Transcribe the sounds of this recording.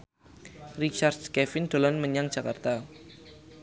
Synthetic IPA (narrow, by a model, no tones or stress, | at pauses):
rit͡ʃard̪̥̚skɛfɪnɖ̪̥o̤lɔnməɲaŋ̥d͡ʒ̥a̤kart̪a